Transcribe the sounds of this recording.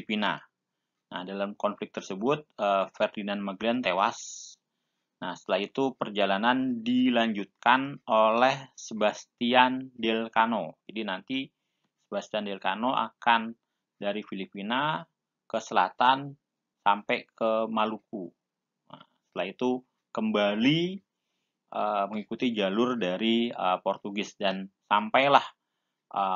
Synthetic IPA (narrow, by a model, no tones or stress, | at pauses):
pina̰ | na̰hdalamkɔnflɪk̚t̪ərsəbʊt̪̚əfɛrdinanmaɡlɛnt̪ewa̰s | nahsət̪əlait̪upərd͡ʒalanandilaɲd͡ʒut̪̚kanolɛhsəbast̪iandɛlkanod͡ʒadinant̪i | səbast̪iandelkanoʔa̰kan | daɾifilipina | kəsəla̰t̪an | sampekʰəmaluku | əsə̥t̪əlait̪u | kəmbali | ʔəməŋikut̪id͡ʒalʊrdaɾiəpɔrt̪uɡɪsdansampajlah | ʔə